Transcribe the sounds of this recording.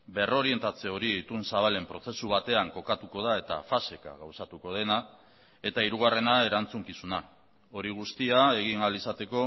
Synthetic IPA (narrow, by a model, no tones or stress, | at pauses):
be̞ro̞ɾie̞nt̪at͡se̞o̞ɾiːt̪unsaβale̞mpɾo̞se̞suβat̪e̞aŋko̞kat̪uko̞ð̞ae̞t̪a̰fase̞ka̰ɣawsat̪uko̞ð̞e̞na | e̞t̪aiɾuɣ̞are̞nae̞ɾant͡suŋkisuna | o̞ɾiɣ̞ust̪iae̞ɣ̞iŋalisat̪e̞ko̞